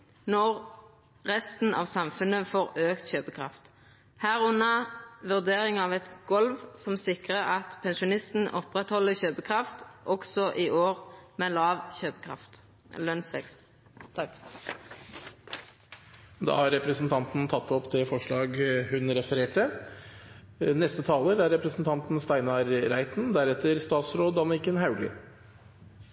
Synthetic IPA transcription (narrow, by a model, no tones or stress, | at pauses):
nɔʁ | ʁɛst̪n̩ʔɑ̰ːʋsɑmfʉnəfoːʁøːkt̪çøːpəkʰʁɑ̰ft̪ | hæːʁʉnɑʋʉʁd̪eːʁɪŋɑːʋɛt̪ɡɔlʋsɔmsɪkʁəʁɑt̪pʰɛnʃʊnɪst̪n̩ʔɔpʁɛt̪hɔləçøːpəkʰʁɑft̪ʔɔɡsɔʔiːʔoːʁmeːlɑːʋçøːpəkʰʁɑ̰ft̪ | lœnsʋɛ̰kst̪ʰ | ɑk | d̪ɑ̰ːhɑɾɛpɾəsn̩t̪ʰɑnt̪n̩t̪ʰɑt̪ːɔpt̪ʰɪlfɔʂɭɑːɡhʉnɾɛfəɾeːʈə | nɛst̪ət̪ʰɑːləɾæɾɛpɾəsn̩t̪ʰɑnt̪n̩st̪æɪnɑɾɾæɪt̪nd̪æɾɛt̪əɾst̪ɑːt̪sɾoːd̪ɑnɪkənhɑʉlɪ̰